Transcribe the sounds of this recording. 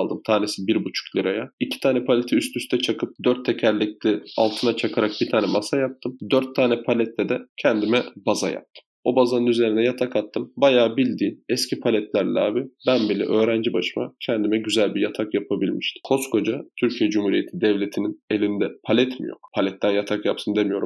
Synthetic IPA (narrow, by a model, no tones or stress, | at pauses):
lˠd̪ɯmt̪ʰaːnisibiɾbut͡ʃʰu̥klʲiɾajaicʰi̥t̪ʰaːnɛpʰalʲet̪ʰiyst̪ʰyst̪ʰɛt͡ʃʰakʰɯp̚d̪øɾt̪ʰːɛcʰæɾlʲic̚lɛa̰lˠt̪ʰɯnat͡ʃʰakʰaɾak̚bit̪ʰaːnɛmasajap̚t̪ʰɯmd̪øɾt̪ʰːaːnɛpʰalʲɛt̪lɛd̪ɛcʰɛnd̪imɛbaza̰ja̰p̚t̪ʰɯ̥mo̞bazanɯnyze̞ɾind̪ɛjat̪ʰakat̪ʰːɯmbajaːbilʲd̪iːnɛscʰipʰalʲɛt̪lʲæɾlʲɛ̰aːbibænbilʲɛ̰ʔø̞ːɾænd͡ʒibaʃɯma̰cʰɛnd̪imɛɟyzælʲbijat̪ʰakjapʰabilʲmiʃt̪ʰi̥kʰo̞skʰo̞d͡ʒat̪ʰyɾcʰijɛd͡ʒumhuːɾije̞t̪ʰid̪ɛvlʲe̞t̪ʰinine̞lʲind̪ɛpʰalʲɛt̪mḭjo̞̰kpʰalʲɛt̪ːænjat̪ʰakjap̚t̪ʰɯnd̪e̞mijo̞ɾu